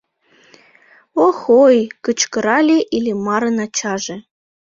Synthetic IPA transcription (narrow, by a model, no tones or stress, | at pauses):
oxojkət͡ɕkəɾɑlʲeʔilʲemɑɾənɑt͡ɕɑʒĕ